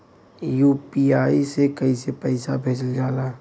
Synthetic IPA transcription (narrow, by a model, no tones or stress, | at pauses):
juːpiaːisekəisepəɪsabʱeːd͡ʒəld͡ʒaːlaː